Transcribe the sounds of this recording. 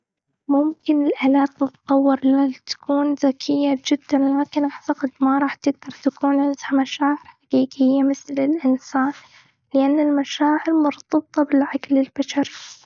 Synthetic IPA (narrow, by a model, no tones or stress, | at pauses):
mʊmkɪnɪlʔalaːt̪̚ːɪt̪t̪ˤːɑwːɪɾˤlalt̪ḁkʰuːnðakʰɪjːad͡ʒɪd̪ːanlaːkɪnʔaʕt̪aqɑd̪maɾˤɑːħt̪ɪɡ̚d̪ɑɾˤt̪akuːnʔansħmaʃaːʕɪɾħħaqiːqɪjːamɪθlɪlʔɪnsaːn | lɪʔanːɪlmaʃaːʕɪɾmʊɾt̪ˤɑb̚t̪ˤɑbɪlʕaklɪlbaʃaɾi